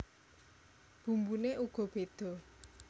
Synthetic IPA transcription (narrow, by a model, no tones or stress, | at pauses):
b̥ṳmbuneʔuɡ̥ɔ̤b̥ed̪̥ɔ̤